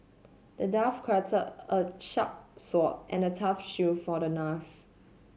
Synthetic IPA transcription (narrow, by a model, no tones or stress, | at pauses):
d̥ədafkʰɹatʰəəʃap̚sɔt̚ʔɛ̰̃nətʰafʃufɔdənaf